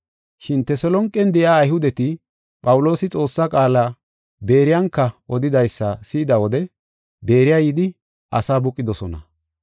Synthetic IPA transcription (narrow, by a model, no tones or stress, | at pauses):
ʃɪnt̪ɛsɔlɔŋkʼːɛnd̪ɛjaːjhʊd̪ɛt̪ɪ | pʼɐwʊlo̞ːsɪt͡sʼo̞ːsːakʼaːlaː | be̞ːɾɪjɐŋkːɐʔɔd̪ɪd̪ɐjsːɐsiːd̪ɐwɔd̪ɛ | be̞ːɾɪjaːjɪd̪ɪ | ʔɐsaːbʊkʼːɪd̪ɔsɔnɐ̰